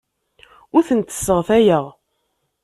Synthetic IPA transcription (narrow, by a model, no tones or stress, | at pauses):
ʊɾθənt̪ə̥sːəʁθæjəʁ